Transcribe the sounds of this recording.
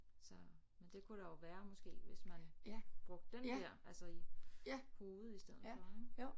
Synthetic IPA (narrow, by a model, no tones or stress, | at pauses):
sɒ̽ | mend̥e̝kʰuɾ̥ɑjoʋæːɐmɒ̽sɡ̥e̝̰ːʋe̝smænb̥ʁɔ̽ɡ̥̚d̥ːendɛɐ̰ʔælsɐi | ho̝ːð̩ˠisd̥eð̩̰ˠfɒ